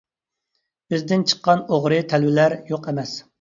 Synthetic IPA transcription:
bɪzd̪ɪnt͡ʃʰə̥qːɑnoʁɾɨt̪ʰɛlwɪlæɾjoqemɛs

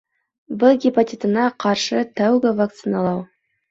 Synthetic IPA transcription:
bɪlˠɡʲipotʲit̪ənɑqʰɑɾʃət̪æwɡəvak̚t̪sɨnalˠɑw

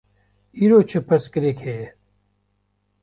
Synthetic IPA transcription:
iɾoːt͡ʃʰəpʰɐɾskəɾekʰeː

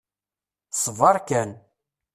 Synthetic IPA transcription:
sˤəvɑɾˤkæn

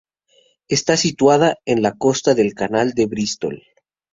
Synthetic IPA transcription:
e̞st̪asit̪waðaenlako̞st̪aðe̞lkanald̪eβɾist̪o̰l

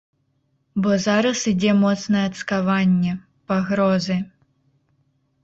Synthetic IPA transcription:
bɔzaɾɐsid͡zʲɛmɔt̪snɐjɛɐt̪skavanʲːɛ | paɣɾɔzɨ

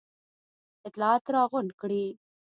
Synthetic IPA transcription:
ɪt̪lɑːt̪ɾɑɣʊɳɖkɽi

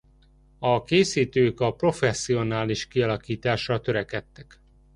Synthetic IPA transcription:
ɒkeːsiːt̪øːkɒpro̞fɛsːio̞naːliʃkiɒlɒkiːt̪aːʃrɒt̪ø̞ɾɛkɛt̪ːɛk

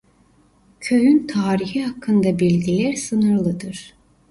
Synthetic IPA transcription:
cʰøjynt̪ʰaːɾihiɦakʰːɯnd̪abilʲɟilʲæɾsɯnɯɾlˠɯd̪ɯɾ̥

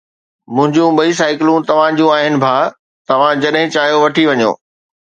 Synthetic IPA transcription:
mʊ̃ɦɪ̃ɲd͡ʑũɓɐis̬aːɪkɪlũt̪ɐʋ̤ãd͡ʑũaːɦɪnɪ̆bʱaː | t̪ɐʋ̤ãd͡ʑɐɗɦɪ̃t͡ɕaːɦijoʋɐʈʰiʋɐɲo̰ː

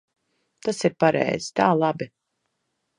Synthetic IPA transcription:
t̪asiɾpaɾɛ̰jz̥i̥t̪aːlˠabi

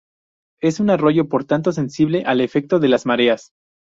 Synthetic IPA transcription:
e̞sunaro̞ʝo̞po̞ɾt̪ant̪o̞s̬e̞nsiβle̞ʔale̞fe̞k̚t̪o̞ðe̞lazmaɾe̞as

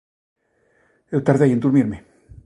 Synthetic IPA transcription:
ewt̪aɾðejend̪uɾmiɾme

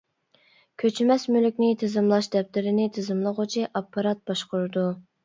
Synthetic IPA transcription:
kʲʰøt͡ʃʰmɛsmylykʲnɪt̪ʰɨzɨmlˠɑʃd̪ɛp̚t̪ɪɾɪnɪt̪ʰɨzɨmlˠəʁʊt͡ʃʰiʔɑpʰːɑɾɑt̪̚bɑʃqʊɾɨd̪u

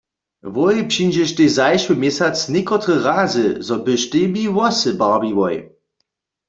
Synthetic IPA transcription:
vɔjpɕind͡ʒɛʃt̪ezajʃwumjɛsat͡snʲekɔt̪ʁəʁazɨzɔbɨʃtemiwɔsɨbabivɔj

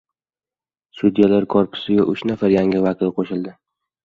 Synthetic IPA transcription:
sʊd̪jalaɾkʰɒɾpʰɪ̥sɪɡʲaʔʊʃnafaɾjaŋʲɪvakʲʰɪlˠqʰoʃɪld̪ɪ

